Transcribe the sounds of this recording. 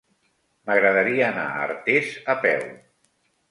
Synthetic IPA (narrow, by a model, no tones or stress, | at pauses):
məɣɾəðəɾiaːna̰ə̰ɾt̪ezəpɛw